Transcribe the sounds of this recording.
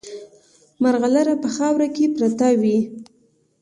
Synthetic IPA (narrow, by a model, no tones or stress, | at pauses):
maɾɣalaɾapəxɑwɾakepɾat̪awi